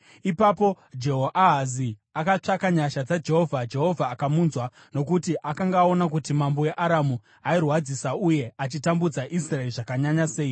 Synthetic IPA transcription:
ipapo̞ | d͡ʒe̞ɦoʔaɦaziakat͡ʂakaɲaʃad͡zad͡ʒe̞ɦo̞vʱad͡ʒe̞ɦo̞vʱaːkamunzwa | no̞k̬utiʔakaŋɡao̞nak̬utimambo̞je̞ʔaɾamu | airwad͡zisauje̞at͡ʃitambud͡zaʔisraeriʐakaɲaɲase̞ːi

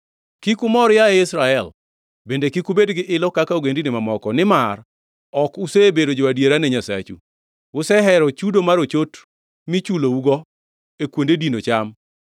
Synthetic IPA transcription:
kikʊmɔɾjaeɪsɾaɛl | bendekikubedɡɪʔɪlɔkakaoɡendinɪmamɔkɔnɪmar | ɔkʊsebedod͡ʒɔwadjeɾanɛɲasa̰t͡ʃṵ | ʊsɛɦɛɾɔt͡ʃudomaɾot͡ʃot | mɪt͡ʃulouɡɔ | ekwondedinot͡ʃam

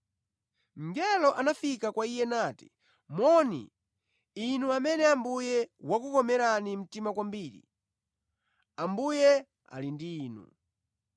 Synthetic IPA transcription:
m̩ɡɛlɔʔanafikakwaijɛnaːti̥̰ | mɔnḭ | inuamɛnɛambujɛwakukɔmɛɾanim̩timakwambiːɾḭ | ambujɛ | a̰lindiːnṵ

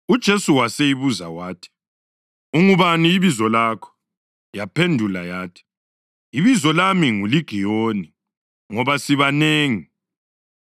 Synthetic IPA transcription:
ud̥ʒ̥ʱesuwasejiβuza̰waːtʰi̥ | uŋuβaniːβizɔlakʰɔ̥ | japʰendʱulajaːtʰi̥ | iβizɔlamiŋuliɡ̥ʱijoni | ŋɔβasiβaneːŋi

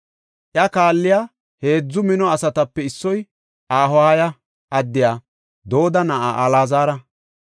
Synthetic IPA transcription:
ʔjɐkaːlːɪjaː | he̞ːd͡zːʊmɪnɔɐsɐt̪ɐpːɛɪsːɔj | ʔaːɦɔhajɐ | ʔɐd̪ːɪjaː | d̪o̞ːd̪ɐnɐʔa̰ːʔɐlaːzaːɾɐ

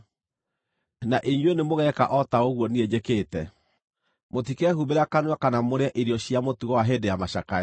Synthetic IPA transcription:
naʔiɲwenemoɣɛka̰ʔɔtaoɣwɔnied͡ʑekeːtɛ | motikɛhubeɾakanwakanamoɾeaʔiɾjɔɕjamotuɣɔwaɦedejamaɕaka

